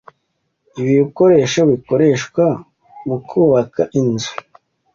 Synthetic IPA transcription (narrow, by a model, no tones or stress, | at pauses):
iβiiko̞ɾe̞ʃaβiko̞ɾe̞ʃkwa | βukʰuːβakaʔinzu̥